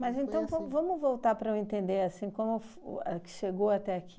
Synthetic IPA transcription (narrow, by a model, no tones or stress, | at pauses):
mɐzẽnt̪ɐ̃w̃vɐ̃w̃vɐ̃mʊvowt̪aɾpɾɐẽnt̪ẽnd̪eɾasĩkõmʊfɛ̰kɪ̥ʃeɡowat̪ɛaki